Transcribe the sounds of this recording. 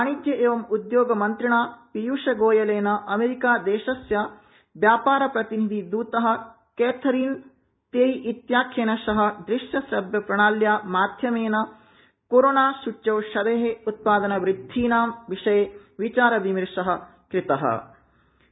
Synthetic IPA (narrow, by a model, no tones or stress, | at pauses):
aːɳid̪jɐʔeːʋɐmud̪joːɡɐmɐnt̪ɾiɳaːpijuːʂɐɡoːjɐleːnɐʔɐmeːɾikaːd̪eːʃɐsjɐ | ʋjaːpaːɾɐpɾɐt̪inid̪ʱid̪uːt̪ɐɦɐ̆ | keːt̪ʰɐɾiːn | t̪eːjiʔit̪jaːkʰjeːnɐʃɐɦɐ̆d̪ɾɪʃjɐsɐbjɐpɾɐɳaːljaːmaːd̪ʱjɐmeːnɐ | koːɾoːnaːʃuʈt͡ʃɐwʃɐd̪eːɦeut̪̚paːd̪ɐnɐʋɾɪd̪ʱːiːnaːmʋiʂɐje | ʋit͡ʃaːɾɐʋimiɾʂɐɦɐ̆ | kɾɪt̪ɐɦɐ̰